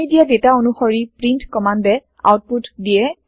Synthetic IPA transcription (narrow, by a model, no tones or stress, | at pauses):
idijadetaonuxɔɹipɹintkɔmandɛ | a̰wt̚putdiɛ